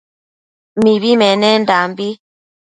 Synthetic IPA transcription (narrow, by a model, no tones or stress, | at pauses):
miβimɛnɛndambi